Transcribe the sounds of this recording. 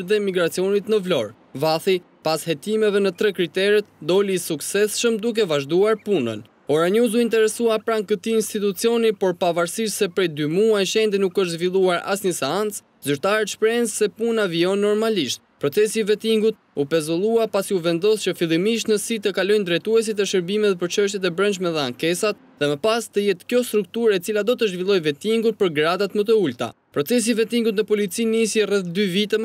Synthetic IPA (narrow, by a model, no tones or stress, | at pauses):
ðɛmiɡɾat͡siɔnit̪nəvlɔɾ | vaθi | pashɛt̪imɛvɛnət̪ɾɛkɾit̪ɛɾɛt̪d̪ɔliːsuksɛsʃəmd̪uk̬ɛvaʒd̪uaɾpunə̰n | ɔɾaɲuzuint̪ɛɾɛsuapɾaŋkət̪iːnst̪it̪ut͡siɔnipɔɾpavaɾsiʃsɛpɾɛjd̪ymuajʃɛnd̪inukəʃt̪zvilˠuaɾa̰sɲəsɛant͡s | zyɾt̪aɾɛt̪ʃpɾɛnzsɛpunaviɔnːɔɾmaliʃt̪̚pɾɔt͡sɛsivɛt̪iŋɡut̪̚ | upɛzɔlˠuapasiuvɛnd̪ɔst͡ɕəfilˠimiʃ̬t̪nəsit̪əkalɔjnd̪ɾɛt̪uɛs̬it̪əʃəɾbimɛt̪ɛpəɾt͡ʃəʃ̬t̪jɛt̪ɛbɾənt͡ʃmɛðɛaŋkɛsat̪̚ðɛməpast̪əjɛt̪kjɔst̪ɾuk̚t̪uɾɛt͡silad̪ɔt̪əʒvilˠɔjvɛt̪iŋɡut̪̚pəɾɡɾad̪at̪mət̪̬əult̪a̰ | pɾɔt͡sɛs̬ivɛt̪iŋɡut̪nəpɔlit͡sinisɛrɛθd̪yvit̪ɛ